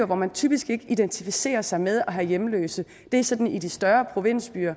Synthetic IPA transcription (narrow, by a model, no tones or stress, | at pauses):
ɐʋɒmænt͡sʰyb̥isɡ̥e̝ɡ̥əid̥ent͡sʰifise̝̰ːɐsɑ̈ɪmeð̞ˠɒ̽ɦæjemlø̰ːsð̩ | d̥e̝æsɒ̽d̥n̩id̥isd̥ɶɐpʰʁo̝ʋe̝n̰sb̥y̰ːɐ